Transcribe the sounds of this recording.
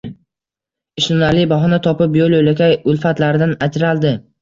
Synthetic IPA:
ɪʃnʊnalɪbaɦɒnat̪ʰɒpɪpjolˠojlakʲʰajʊlˠfat̪laɾɪd̪anat͡ʃɾalˠd̪ɪ

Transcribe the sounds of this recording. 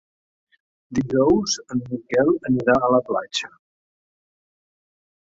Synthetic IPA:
d̪iʒɔwzənmikɛlˠəniɾaələpla̰t͡ʃə

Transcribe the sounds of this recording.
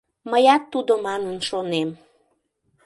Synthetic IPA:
məjɑt̪ːud̪omɑnənʃonem

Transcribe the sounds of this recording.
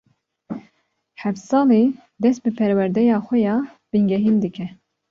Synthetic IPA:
ħɛfsɑːli | d̪ɛst̪̚bɨpʰɛɾwɛɾd̪ɛjɑːxʷɛjɑː | b̥ɨŋɡɛɦiːnd̪ɨkʰɛ

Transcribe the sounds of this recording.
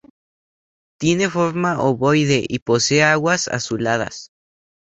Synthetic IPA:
t̪jene̞fo̞ɾmaʔoβojðeʔiposeaɣwasa̰sulað̞a̰s

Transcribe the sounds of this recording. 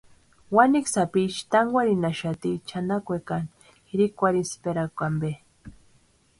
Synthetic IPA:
waniksapit͡ʃt̪aŋɡʷwʷaɾinaʃat̪it͡ʃʰanakʷekan | xiɾikʷaɾispeɾakʷambe

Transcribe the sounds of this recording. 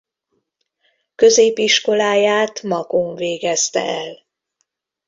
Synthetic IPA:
kø̞zeːpiʃko̞laːjaːt̪mɒɡoɱveːɡɛst̪ɛ̰ɛl

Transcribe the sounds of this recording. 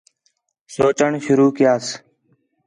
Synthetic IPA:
soːt͡ʃəɳʃʊɾuːkɪjaːs

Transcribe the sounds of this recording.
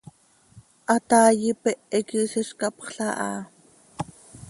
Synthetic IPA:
ʔɑt̪ɑːjipɛʔɛkisiʃkɑpχɬɑʔɑ̰ː

